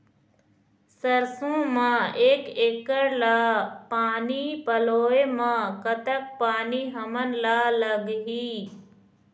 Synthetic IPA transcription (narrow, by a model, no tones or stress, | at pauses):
səɾsõːmãːeːkeːkəɾlaːpaːnipəloːemãːkət̪ək̚paːniɦɐmənlaːləɡɦiː